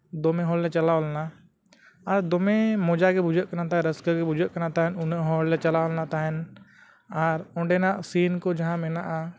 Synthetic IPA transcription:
d̪oːmẽɦoːlːet͡ʃəlaolna | aːɾd̪oːmẽmoːd͡ʒakebʊd͡ʒəʔkːənat̪ãɾəskəkebud͡ʒəkːənat̪aɦɛnʊneɦoːllet͡ʃəlaolnat̪aɦɛn | aːɾʊ̃ɳɖenasiːnkod͡ʒəɦãmenaʔa

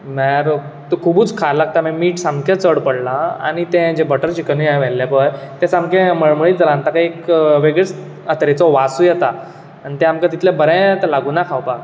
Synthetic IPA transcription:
maɾ | t̪ukʰubuːt͡skʰalaɡ̚t̪amɛmiːʈsamkʰet͡səɽpəɽlaa̰ɽ̃it̪ɛ̃d͡ʑebəʈəɾt͡ɕikəniajʋɛlːjapəjt̪ɛ̃samkẽməɭmɭiːd̪əɾãnt̪akaiekʋeɡɭet͡s | ət̪ɾet͡sɔʋasujɛt̪aː | nit̪ɛ̃amkat̪it̪lẽbəɾɛ̃t̪əlaɡuːnakʰawpak

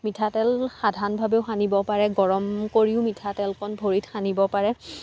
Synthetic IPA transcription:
mitʰatɛlxadʱanbʱabeʊxanibɔpaɹɛɡɔɹɔmkoɹiʊmitʰatɛlkʰɔnbʱoɹitxanibɔpaɹɛ

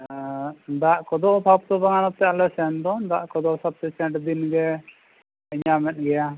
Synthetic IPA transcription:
d̪aʔkɔd̪ɔʔpʰap̚t̪ɔbaŋanɔp̚t̪ɛalɛsɛnd̪ɔnd̪aʔkɔd̪ɔsab̚t̪ɛsɛʈd̪inɡɛ | ɲamɛt̪̚ɡɛja

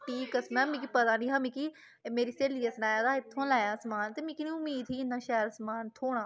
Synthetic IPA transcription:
ʈʰiːkəsmɛ̃ːmĩːk̬ipət̪aːnĩːɦamĩːki | meːɾiːseːliːəslaːjaːd̪aːɪt̪ʰːõːlaːjaːsmaːnt̪eːmĩːkinĩʊmiːd̪iːnːãːʃɛːɾəsmaːnt̪ʰoːɽ̃ãː

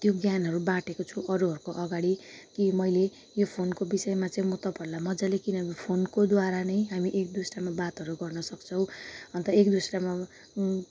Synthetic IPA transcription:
t̪joɡjanɦʌɾubãʈekot͡sʰuʔʌɾuɦʌɾukoʔʌɡaɽikimʌjle | jopʰonkobisʌemat͡sʌĩmʌt̪ʌpʌrlamʌd͡zalekinʌipʰonkod̪waɾanʌjɦamiʔek̚d̪usramabat̪ɦʌɾuɡʌrnʌsʌkt͡sʰʌw̃ʌnt̪ʌekd̪usɾama

